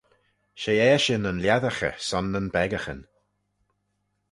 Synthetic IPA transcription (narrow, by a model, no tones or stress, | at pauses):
ʃejɛːʃɪnənljaðəxə̰sɔnːənbɛɡəxə̰n